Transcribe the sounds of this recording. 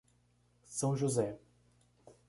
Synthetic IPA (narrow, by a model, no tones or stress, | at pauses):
sɐ̃w̃ʒuzɛ